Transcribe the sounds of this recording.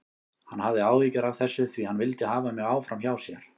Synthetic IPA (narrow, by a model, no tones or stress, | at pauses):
hanhavðɪaːwðicaɾavθɛsːʏθvihanːvɪlt̪ɪhaːvamɛɣaːwfɾamçaːwsjɛɾ̥